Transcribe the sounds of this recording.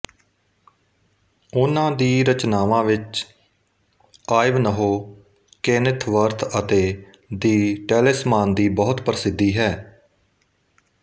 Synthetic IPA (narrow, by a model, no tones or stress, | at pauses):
ʊnãːd̪iːɾət͡ʃnaːʋãːʋɪt͡ʃ | aːɪʋnəɦoː | keːnɪt̪ʰʋəɾt̪ʰət̪eː | d̪iːʈɛːlɪsmaːnd̪iːbɔːʊt̪pəɾsɪd̪ːiːɦɛː